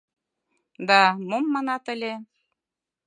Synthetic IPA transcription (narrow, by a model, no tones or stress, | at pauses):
d̪ɑmomːɑnɑt̪ə̆lʲe